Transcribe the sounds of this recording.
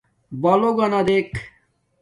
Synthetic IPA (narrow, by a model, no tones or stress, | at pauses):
baloɡɐnad̪ek